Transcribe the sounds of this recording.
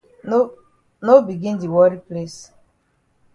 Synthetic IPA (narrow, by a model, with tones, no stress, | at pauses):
no˦bi˨ɡi˦n˦di˨wɔ˦ɾi˦ple˦s